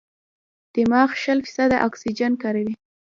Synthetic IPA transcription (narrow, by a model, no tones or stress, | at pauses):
d̪̥əmɑxʃəlfi̥sad̪aʔaksid͡ʒankaɾawi